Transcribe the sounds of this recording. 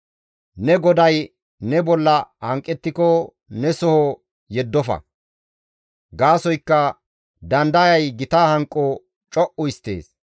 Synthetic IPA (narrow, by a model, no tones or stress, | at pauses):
nɛɡɔd̪ɐj | nɛbɔlːɐhɐŋkʼːɛt̪ːɪkɔ | nɛsɔhɔ | jɛd̪ːɔfɐ̰ | ɡaːsɔjkːɐ | d̪ɐnd̪ɐjɐjɡɪt̪aːhɐŋkʼːɔ | t͡ʃʼɔʔʊɪst̪ːḛːs